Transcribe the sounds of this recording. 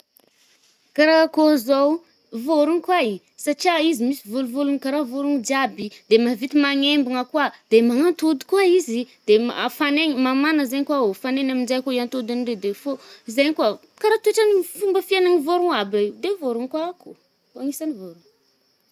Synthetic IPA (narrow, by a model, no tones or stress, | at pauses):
kaɾakozow | voɾuŋikwai | sat͡ʃiaizimisivoluvulunkaɾavoɾuŋd͡ʒiabid̪emavit̪imaŋembiŋəkwad̪emaŋant̪ud̪i̥kwaizid̪̥ema̰faneɲimamanəzaɲkwaofanenamind͡ʒajkoiant̪od̪aniɖ͡ʐed̪efoizaɲkwa | kaɾat̪ueʈ͡ʂanifumbəfianaŋivoɾuŋabaid̪evoɾuŋkwaku | aŋisanivoɾuŋ